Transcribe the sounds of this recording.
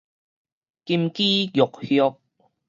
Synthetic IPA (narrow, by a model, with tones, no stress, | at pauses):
ki˧mkiː˦jʊ˨k̚hjɔ˧k̚